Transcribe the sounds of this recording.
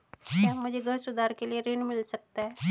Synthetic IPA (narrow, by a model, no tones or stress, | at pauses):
jamʊd͡ʒʱeɡʱəɾsʊd̪aɾkelieɾenmɪlsək̚t̪aɦɛ